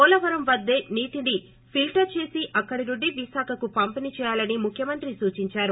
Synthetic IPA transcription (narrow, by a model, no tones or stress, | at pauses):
ɔːlɐʋɐɾɐmʋɐd̪ːe̞ːniːʈiɖi | pʰilʈɐɾt͡ʃe̞ːsiʔɐkːɐɽiɾuɖːiʋisaːkʰɐkupɐmpinit͡ʃɛːjaːlɐnimukʰjɐmɐnt̪ɾisuːt͡ʃiɲt͡ʃaːɾu